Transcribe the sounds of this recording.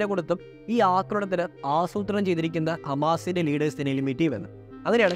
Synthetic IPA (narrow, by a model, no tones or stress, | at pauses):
ɾekoɽut̪ːɐm | iːaːkːɐɾuɽet̪̬ːɐɾɐaːsuːt̪rɐnɐmt͡ɕe̞jt̪iɾikʲːunːɐhɐmaːsindeliːɽɐːsd̪inɐjilumːiʈːijʋenːɨ | ɐɣɐɾeaːɳ